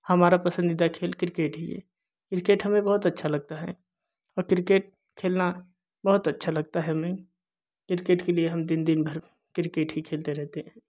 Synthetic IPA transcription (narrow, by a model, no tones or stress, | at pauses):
hɐmaːɾapɐsə̃nd̪id̪akʰeːlkɪɾɪkeːʈɦiɛ̰ː | kɪɾɪkeːʈɦɐmẽbɐɦʊt̪ɐtːʃʰalɐɡ̚t̪aɦɛ̰ | ɔːɾkɪɾɪkeːʈ̚ | kʰeːlna | bɐɦʊt̪ɐtːʃʰalɐɡ̚t̪aɦɛmẽ | kɪɾɪkeːʈkelieɦɐmd̪ɪnd̪ɪnbʱəɾ | kɾɪkeːʈɦikʰeːlt̪eɾɛɦt̪eɦɛ̃ː